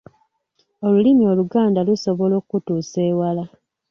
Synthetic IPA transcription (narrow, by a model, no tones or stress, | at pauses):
o̞lulimio̞luɡaːndaluso̞βo̞lo̞ːkutuːse̞ːwala